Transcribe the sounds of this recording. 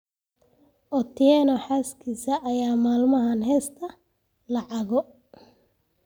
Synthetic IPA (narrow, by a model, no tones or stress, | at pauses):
ʔɔt̪ʰɪjɛnɔħaːskʰiːsɐʔːjaːmaːlmɐɦɐnhɛːst̪ʰɐ | lɑʕɑɣɔ